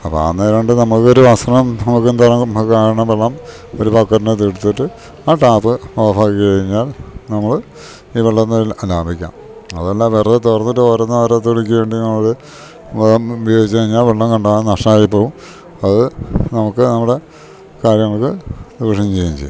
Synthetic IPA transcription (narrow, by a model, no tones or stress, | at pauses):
ɐpːo̰a̰ːnːeːɾɐɳɖɨnɐmukːo̞ɾuʋɐsɐɳɐmnɐmuk̬ːend̪arɐkaːɾɐɳɐmʋeɭːɐm | o̞ɾupɐkːɐɾinet̪̬iɽut̪ːiʈːɨ | aːʈaːpːɨoːɐfaːɣikʲːkɐɻiɲːaːlnɐmːɐɭ | iːʋeɭːɐnːɐlaːmbʱikʲːa̰ːm | ɐðelːaːmʋerɐt̪et̪orɐnːuʈːɨoːɾɐnːɐʋɐɾɐt̪ːoɭikʲːuʋe̞ːɳɖinɐmːɐkɨ | ɐmubʱjoːɡit͡ɕːɨkɐɻiɲːaːlʋeɭːɐmkɐɳɖaːnɐʂʈɐmaːjipːo̞ːʋum | ɐðɨnɐmukːɨnɐmːuɽe̞ | kaːɾjɐŋːɐɭkɨd̪iʋɐʂɐjɐmt͡ɕe̞jːimt͡ɕḛjː